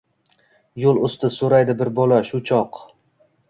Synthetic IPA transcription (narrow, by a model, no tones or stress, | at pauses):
jolˠost̪ɪsoɾajd̪ɪbɪɾbolaʃʊt͡ʃʰɒq